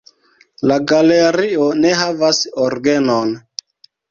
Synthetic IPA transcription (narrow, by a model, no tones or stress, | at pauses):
laɡaleɾione̞ɦavasoɾɡenon